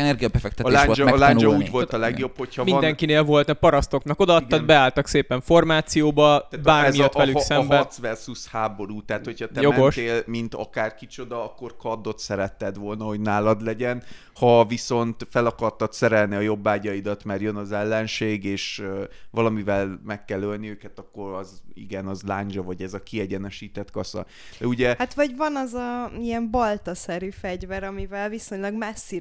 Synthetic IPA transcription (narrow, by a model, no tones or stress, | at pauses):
ɛnɛrɡiɒbɛfɛk̪̚ɛt̪lad͡ʒɛlaɲnd͡ʒɒuːɟvolt̪ɒlɛɡjo̞bho̞chɒmid̪ɛŋkineːlvo̞lt̪nɛpɒɾɒst̪o̞knɒko̞d̪ɒːt̪ːɒd̪bɛaːlt̪ɒkseːpɛɱfo̞rmaːt̪sijoːbɒab̪aːrmiɒt̪ʋɛlysɛmbɛt̪svɛrsushaːbo̞ɾuːt̪ɛːt̪ho̞chɒt̪ɛjmoɛɡoʃt̪eːlmint̪ɒ̰kaːrkit͡ʃo̞d̪ɒɒkːo̞rkɒd̪ːo̞t̪sɛɾɛt̪ːɛd̪ʋo̞lnɒɦo̞ɟnaːlɒd̪lɛɟɛn | hɒviso̞nt̪fɛlɒkɒrt̪ɒt̪sɛɾɛlniɒjo̞bːaːɟɒid̪ɒt̪mɛrjønɒzɛlːɛnʃeːɡeːʃøvɒlɒmivɛlmɛkːɛlːølniøːkɛt̪ɒkːo̞ɾɒzḭɡɛnɒzlaːɲd͡ʒɒvɒɟɛzɒkiɛɟɛnɛʃiːt̪ɛt̪kɒsɒ̰ | d̪ɛuɟɛhat̪vɒɟvɒnɒzɒijɛmbɒlt̪ɒsɛɾyfɛɟvɛɾɒmivɛlviso̞ɲlɒɡmɛsːi